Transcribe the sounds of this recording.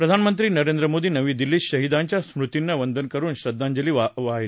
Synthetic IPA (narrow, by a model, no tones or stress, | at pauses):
pɾɐd̪ʱanmənt̪ɾiːnɐɾend̪ɾəmoːd̪iːnɐʋiːd̪iliːɕɕɐɦid̪aɲt͡ɕjasmɾut̪inːəʋənd̪ʱənkəɾuːnɕɾɐd̪ːaɲd͡ʑɐliːʋaʋaɦi